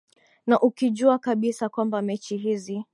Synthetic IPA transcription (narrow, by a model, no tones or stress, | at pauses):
naʔukiʄuakaɓisakwambamɛt͡ʃiɦizi